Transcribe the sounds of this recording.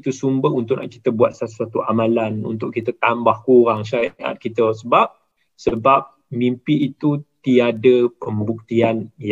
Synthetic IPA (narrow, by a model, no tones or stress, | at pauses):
t̪usumbəhunt̪ʊʔna̰ʔki̥t̪əbuat̪̚sasat̪uʔamãlanṵnt̪ʊʔ̚kːit̪ət̪ambahkuɾaŋʃaɾiʔa̰t̪̚kit̪əsəbap̚ | səbap̚ | mimpiːt̪ut̪iadəpəmbuk̚t̪ianj